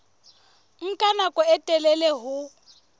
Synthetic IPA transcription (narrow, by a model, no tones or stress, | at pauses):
ŋ̩kʼanakʼɔɛtʼɛlɛlɛɦʊ